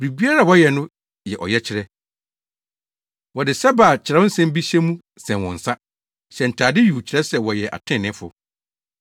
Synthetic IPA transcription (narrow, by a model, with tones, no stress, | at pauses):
ɾi˨bi˦a˦ɾa˦˨wɔ˦jɛ˨nʊ̃˦ | jɛ˨ʔɔ̰˨jɛ˦t͡ɕʰɪ˨ɾɛ˦ | wɔ˨dɪ˨sɛ˦ba˨t͡ɕʰɪ˨ɾɛ˦ʊ˦n̩˦sɛ̃˦m˦bi˦ɕɛ˦mũ˦ | sɛ̃˨wɔ̰̃˨n̩˨sa˦ | ɕɛ˨n̩˨tʰaː˨dɪ˦ju˨t͡ɕʰɪ˨ɾɛ˦sɛ˦wɔ˨jɛ˨ʔa̰˨tʰɪ̃˦˨nɪ̃˦fʊ̰˨